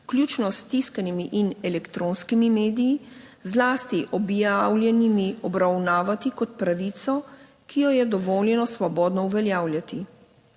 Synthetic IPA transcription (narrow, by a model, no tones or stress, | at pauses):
klʲjuːt͡ʃnɔst̪iskanimiʔinɛlɛkt̪ɾoːnskimimeːd̪iji | zlaːst̪iʔɔbjawlʲjɛnimiɔbɾawnaːʋat̪ikɔt̪̚pɾaʋiːt̪sɔ | kijɔjɛd̪ɔʋɔːljɛnɔsʋɔbɔːd̪nɔuʋɛljaːwlʲjat̪i